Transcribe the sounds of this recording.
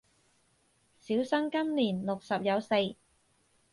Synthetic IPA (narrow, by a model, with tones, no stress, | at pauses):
siː˨˥wsɐ˥ŋkɐ˥mniː˨˩nlʊ˨k̚sɐ˨p̚jɐ˨˧wse˧j